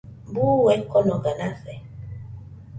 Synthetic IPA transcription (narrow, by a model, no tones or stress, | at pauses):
mbuwɛkɔnɔɡanafɛ